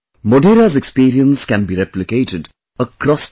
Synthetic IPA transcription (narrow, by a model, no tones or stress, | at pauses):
moɖeːɾazekspiːɾiə̃nskæ̃nbiɾeplɪkeːʈɪɖ | əkɾɔs